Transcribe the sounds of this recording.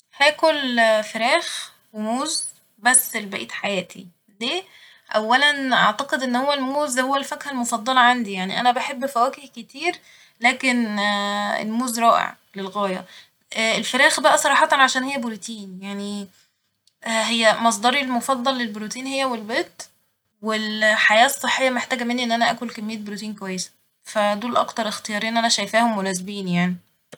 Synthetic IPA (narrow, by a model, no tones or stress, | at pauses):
hæːkolfeɾæːx | wemoːz | bæsːelbæʔiːt̪ħajæːt̪ʰḭ | d̪eː | ʔæwːælænʔɑ̰ʕt̪ɑqed̪ʔenːhowːælmoːzhowːælfækhælmofɑd̪ˤːɑlɑʕand̪ijaʕnḭʔæ̰næbaħebːfæwæːkehket̪iːɾ | læːken | ḛlmuːzɾˤɑːʔḛʕ | lelɣæːjæ̰ | elfæɾæːxbæʔæsˤɑɾˤɑːħɑt̪ɑnʕaʃæːnhejːæboɾut̪iːnjaʕni | hejːæmɑs̬ˤd̪ˤɑɾˤilmofɑd̪ˤːɑlːelboɾut̪iːnhejːæwelbeːt̪ | welħajæːsˤːeħːejːæmeħt̪æːɡæmenːiʔenːʔænæʔæːkolkæmːejːæt̪̚bɾut̪iːnkowæjːesæ̥ | fæd̪uːlʔɑ̰kt̪ɑɾˤext̪ejɑːɾiːnʔænæʃæjfæːhomːolæːzebiːnjaʕni